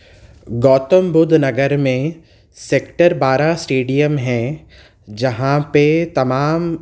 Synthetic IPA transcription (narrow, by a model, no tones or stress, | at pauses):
ɡɔːt̪əmbʊd̪ʱnɐɡəɾmẽ | seːkʈəɾbaːɾasʈeːɖijəmɦɛ̃ | d͡ʒɐɦãpet̪ɐmaːm